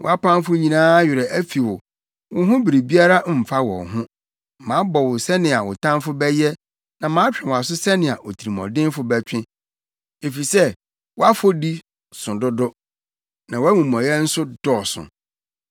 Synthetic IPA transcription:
wɔ̰˨a˦pã˦mfʊ˦ɲĩ˨nãː˦ɥɪ˨ɾɛ˨ʔæ˦fi˨wʊ˨ | wʊ˦ɦʊ̃˦bi˨ɾi˨bi˦a˦ɾa˦m̩˨fa˦wɔ̰˨ɦʊ̃˦ | mãː˨˦bɔ˨wʊ˨sɛ˦nɪ̃˨a˨wʊ˨tʰã˦m˦fʊ˦bɛ˦jɛ˦ | nã˨mãː˨˦t͡ɕᶣɪ̃˨wa˨s̬ʊ˦sɛ˦nɪ̃˨a˨ʔo˨tʰi˨ɾi˨mɔ̰̃˨dɪ̃˦n˦fʊ˦bɛ˦t͡ɕᶣɪ̃˦ | e˨fi˨sɛ˦ | wɔ˦a˦fo˦di˦ | sʊ̃˨dʊ˦dʊ˦ | nã˨wæ˦mũ˨mɔ̃˨jɛ˦n̩˦sʊ˦dɔ˦˨sʊ̰̃˨

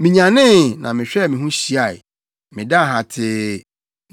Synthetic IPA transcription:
mĩ˨ɲã˨nɪ̃˦˨nã˨mɪ̃˨ɕᶣɛ˦˨mɪ̃˨ɦũ˦ɕi˦a˨ɪ˨ | mɪ̰̃˨da˦˨ɦa˨tʰɪ˦

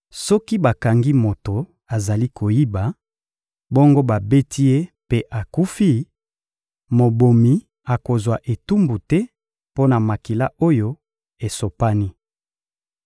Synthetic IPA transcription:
sɔ˦ki˦ba˨ka˨ŋɡi˦mo˨to˨ | a˨za˨li˦kʰo˨ji˦ba˨ | bɔ˦ŋɡo˦ba˨be˦tʰi˦e˦pe˦ʔa˨ku˦fi˦ | mo˨bo˨mi˨ | a˨ko˨zwa˨ʔe˨tu˦mbu˨tɛ˦ | po˦na˨ma˨ki˨la˦o˦jo˦ | e˨so˨pa˦ni˦

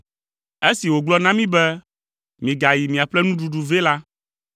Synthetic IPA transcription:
e˦si˨wo˨ɡ͡blɔ˦nã˦mĩ˦bɛ˦ | mĩ˨ɡa˨ji˨mĩ˨a˨ɸlɛ˦nũ˦ɖu˨ɖu˨ve˦la˦

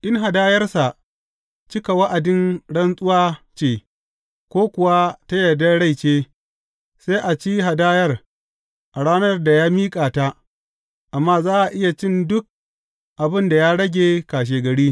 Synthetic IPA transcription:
ʔɪ˦ŋɦa˨daː˦jɐ˦rsa˨ʔ | t͡ʃɪ˦ka˨wɐ˦ʔa˨dɪ˦nɽɐ˦nsʼʊ˦waː˦t͡ʃeː˨ | kʷoː˦kʷʊ˨wa˦ta˦jɐ˨da˦ɽa˦˨jt͡ʃeː˦ | sa˦jʔa˨t͡ʃi˦ɦa˨daː˦jɐ˦r | ʔa˨ɽaː˦nɐ˦rda˨jaː˦miː˦kʼaː˨ta˦ | ʔa˨mːaː˦zaː˦ʔa˨ʔɪ˦ja˨t͡ʃɪ˦ndʊ˦k̚ | ʔa˨bɪ˦nda˨jaː˦ɽɐ˦ɡʲeː˨kaː˨ʃ̬eː˨ɡɐ˨ɽiː˦

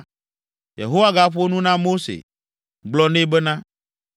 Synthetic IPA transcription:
jḛ˨ɦo˦wa˦ɡa˦ɸo˦nũ˦nã˦mo˦sḛ˨ | ɡ͡blɔ˦nẽ˦bɛ˦nã˦

